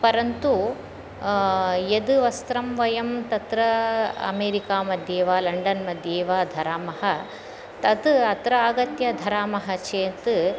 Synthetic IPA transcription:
pɐɾɐnt̪u | jed̪ɨʋɐst̪ɾɐmʋɐjɐmt̪ɐt̪ɾɐɐ̰meːɾikaːmɐd̪ʱjeːʋaːlɐɳɖɐnmɐd̪ʱjeːʋaːd̪ʱɐɾaːmɐɦɐ | t̪ɐt̪ɐt̪ɾɐaːɡɐt̪jɐd̪ʱɐɾaːmɐɦɐt͡ʃeːnt̪

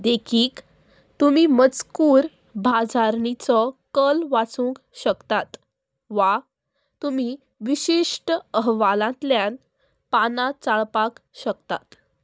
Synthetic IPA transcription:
d̪ekʰiːk | t̪umimət͡skuːɾ | bʱad͡zaɾnit͡sɔkəlʋat͡sũŋkɕəkt̪at̪ | ʋa | t̪um̤i | ʋiɕiʂʈəəɦʋalãt̪ljan | panat͡saɭpakɕəkt̪at̪

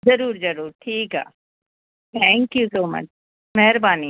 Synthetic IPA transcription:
zɐɾuːɾzɐɾuːɾʈʰiːkɦɛ̰ː | t̪ʰɛ̃ːŋkjusoːmɐ̰t͡ʃ | mɛɦɾbaːni

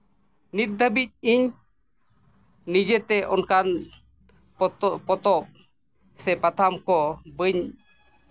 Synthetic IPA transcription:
nit̪̚d̪ʱəbic̚iɲ | nid͡ʒɛt̪ɛʔɔnkan | pɔt̪ɔp̚ | sɛpat̪ʰamkɔbəɲ

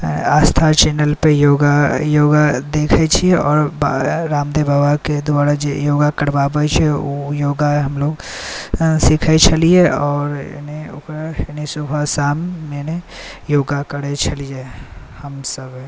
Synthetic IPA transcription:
aːst̪ʰat͡ʃɛːnəlpejoːɡajoːɡad̪eːkʰet͡ʃʰieɔːɾbɾaːmd̪ebʱaːbaked̪ʊaːɾad͡ʒejoːɡakəɽʋaːpəet͡ʃʰɛojoːɡaɦɐmloːɡ | sikʰaet͡ʃʰɐlieɔːɾ̰neʊ̰kanesʊbʱasaːmːenejoːɡakəɽet͡ʃʰɐlie | hɐmsəb

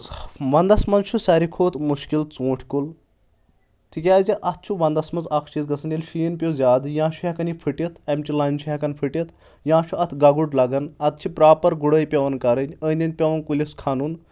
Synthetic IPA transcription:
ʋɐnd̪ɐsmɐnt͡ʃʰusɐɾikʰoːt̪muʃkilt͡sũːʈʰʲkul | t̪ʰikʲaːzʲiʔɐt̪̚ʰt͡ʃʰuʋɐnd̪ɐsmɐnzɐkʰt͡ʃizɡɐsʰɐnilʲʃiːnpʲozʲaːd̪jãːt͡ʃʰuhɐkɐnipʰiʈit̪ʰɐmʲt͡ʃilɐnʲt͡ʃʰuɦʲɐkɐnpʰiʈit̪ʰ | jãːʃʰuɐt̪ʰɡɐɡuɖlɐɡɐnɐt̪̚t͡ʃʰipɾaːpɐɾɡuɽəːjpʲɐʋɐnkɐɾənʲənʲd̪in̚ʲpʲeʋɐnkulʲiskʰanun

